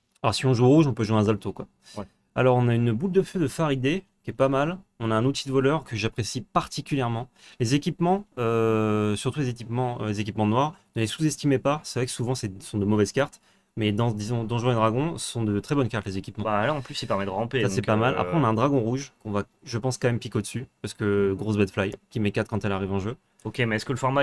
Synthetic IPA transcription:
alɔʁsiɔ̃ʒuoʁuʒɔ̃pøʒweɛ̃zalt̪okwa | wɛ | a̰lɔʁɔ̃naynbut̪d̪əfød̪əfaʁid̪e | kʲɛpamalɔ̃naɛ̃nut̪ʰid̪əvɔlœʁkəʒapχesipaʁt̪ikʲyljɛʁmɑ̃lezekʲipmɑ̃øsyʁt̪ulezek̬ʲipmɑ̃lezek̬ʲipmɑ̃nwaʁnəlesuzɛst̪imepasɛvʁɛkə̥suvɑ̃sɛsɔ̃d̪əmɔvɛzkaʁt̪ | mɛd̪ɑ̃d̪izɔ̃d̪ɑ̃ʒɛ̃led̪ʁaɡɔ̃sɔ̃d̪ət̪χɛbɔnkaʁt̪lezekʲipmɑ̃balaɑ̃plysipɛʁmɛd̪əʁɑ̃pesasɛkpamala̰pχɛɔ̃naɛ̃d̪ʁaɡɔ̃ʁuʒkɔ̃va | ʒəpɑ̃skɑ̃mɛmpikeod̪ə̥sypaʁsə̥kəɡʁosbɛd̪flajkʲimekat̪̚kɑ̃t̪ɛlaʁivɑ̃ʒø | okʲemɛɛskələfɔʁma

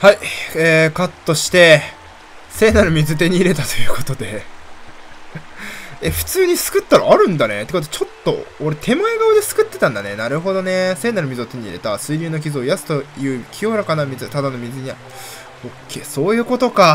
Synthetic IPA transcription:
haiekat̪ːo̞ɕi̥t̪e̞ | se̞ːnaɾɯ̟mʲizɨt̪̬e̞ɲ̟iːɾe̞t̪at̪o̞̥jɯ̟ko̞̥t̪o̞d̪e̞ | eɸɯ̟̥t͡sɨːɲ̟isɨ̥kɯ̟t̪ːaɾa̰ːɾɯ̟̃nd̪ane̞̰t̪ekot̪̬ot͡ɕo̞t̪ːo̞̰oɾe̞t̪ʰe̞maeɡaod̪e̞sɨ̥kɯ̟t̪ːe̞t̪ãnd̪anenaɾɯ̟ɦo̞d̪o̞ne̞se̞ːnaɾɯ̟mʲizɨot̪e̞ɲ̟ḭɾe̞t̪asɨiɾʲɨːno̞k̬ʲizɨo̞jasɨ̥t̪o̞jɯ̟ːkʲʰio̞ɾakanamʲizɨt̪ad̪ano̞mʲizɨɲ̟ia | okʰːe̞ːso̞ːjɯ̟ːko̞t̪o̞ka

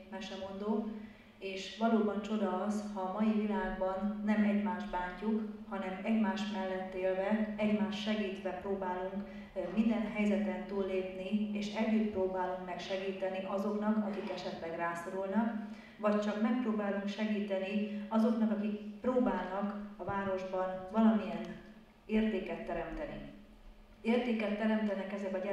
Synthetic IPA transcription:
mɛʃɛmo̞nd̪oːk | eːʃʋɒloːbɒnt͡ʃo̞d̪ɒːzhɒːmɒjivilaːɡbɒnːɛmɛɟmaːʒbaːɲcukhɒnɛmɛɟmaːʃmɛlːɛt̪ːeːlvɛɛɟmaːʃːɛɡiːt̪ʋɛproːbaːluŋk | mind̪ɛnɦɛjzɛt̪ɛnt̪uːlːeːpnieːʃɛɟːyt̪proːbaːluŋkmɛkʃɛɡiːt̪ɛniʔɒzo̞knɒkɒkikɛʃɛt̪lɛɡraːso̞ɾulnɒk | vɒct͡ʃɒkmɛk̚proːbaːluŋkʃɛɡiːt̪ɛniɒzo̞knɒkɒkikproːbaːlnɒkɒvaːɾo̞ʒbɒnvɒlɒmijɛn | eːrt̪eːkɛt̪ːɛɾɛmt̪ɛnḭ | eːrt̪eːkɛt̪ːɛɾɛmt̪ɛnɛkɛzɛkɒɟ

